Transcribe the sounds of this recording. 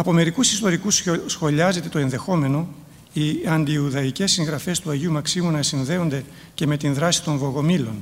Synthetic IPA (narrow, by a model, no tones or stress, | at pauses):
ɐpo̞me̞ɾikusist̪o̞ɾikussxo̞ʎɐze̞t̪e̞t̪o̞e̞nðe̞xo̞me̞no̞ | iɐnd̪iuðɐice̞sːiŋɣɾɐfe̞st̪uɐʝiumɐksimunɐsinðe̞o̞nd̪e̞ | ce̞me̞t̪inðɾɐsi̥t̪o̞ɱvo̞ɣo̞milo̞n